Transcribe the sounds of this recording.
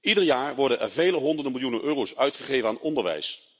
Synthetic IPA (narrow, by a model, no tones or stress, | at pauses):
idəɹjaːɹʋɔɹdənʔɛ̰ɹvejləɦɔndəɹdəmɪlˠjunənʔøːrowsœɥtχəχejvənaːnɔndəɹʋɛ̰js